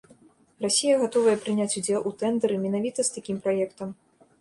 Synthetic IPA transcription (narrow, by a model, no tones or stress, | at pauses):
rasʲijɐɣat̪ɔvɐjɛpɾɨnʲat͡sʲud͡zʲɛlˠʔut̪ɛnd̪ɐɾɨmʲɛnavʲit̪ɐst̪akʲimpɾajɛkt̪ɐm